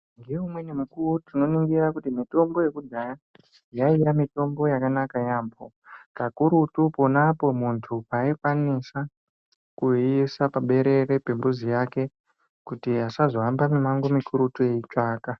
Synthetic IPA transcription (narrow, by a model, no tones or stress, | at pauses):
ŋɡeumwe̞nemukuutino̞niŋɡiɾakutimito̞mbo̞je̞kud͡zaja | jaijamito̞mbo̞jakanakajaːmbo̞ | kakuɾutupo̞napo̞muntʰupaikwanisa | kuiisapaɓe̞ɾe̞ɾe̞pe̞mbuzijake̞ | kutiasazoambamimaŋɡomikuɾutujeit͡ʂaːka